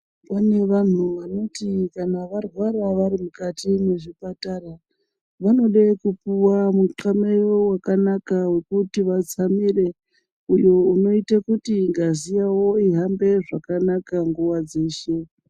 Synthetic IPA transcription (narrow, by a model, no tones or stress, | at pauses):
pane̞ʋan̤uʋano̞tikanaʋarwaraʋaɾimukatime̞ʐipatara | ʋano̞ɗekupuwamuǁamejo̞wakanakawe̞kutiʋat͡samire̞ | ujo̞uno̞itakutiŋɡazijawo̞iɦambe̞ʐakanakaŋɡuwad͡ze̞ːʃe̞